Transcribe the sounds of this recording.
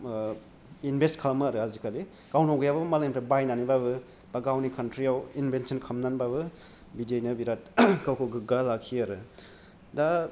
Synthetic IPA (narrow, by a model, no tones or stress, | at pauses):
inbʱestkʰalmaɾɯazikʰali | kawntawɡɯjababmalemtabajnanibaβɯ | b̥aɡawnikʰantɾijawinbʱensinkʰɐmnanbabɯ | bidiejnɐbiɾat̚kawkʰɯɡɯɡalakʰːiaɾɯ | da